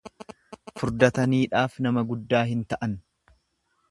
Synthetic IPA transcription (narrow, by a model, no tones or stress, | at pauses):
fʊɾd̪ɐt̪ɐniːᶑaːfnɐmɐɡʊd̪ːaːɦɪnt̪ɐʔɐn